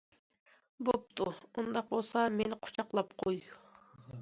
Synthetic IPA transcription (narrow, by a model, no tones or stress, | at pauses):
bop̚t̪ʰumund̪ɑq̚bolˠsɑmenqʰʊ̥t͡ʃʰɑqlˠɑpqʰojd̪u